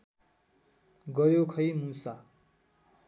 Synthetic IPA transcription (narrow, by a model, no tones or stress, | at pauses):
ɡʌjokʰʌjmusa